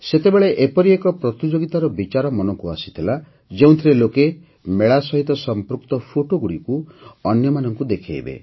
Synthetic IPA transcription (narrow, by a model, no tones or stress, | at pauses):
set̪ebeɭeʔepɔɾiekɔpɾɔt̪id͡ʒoɡit̪aɾɔbit͡ʃaɾɔmɔnɔŋkuasi̥t̪ʰila | d͡ʒeũt̪ʰiɾeloke | meɭasɔɦit̪ɔsɔmpɾukt̪ɔpʰoʈoɡuɽikuɔnjɔmanɔŋkud̪ekʰiḛbḛ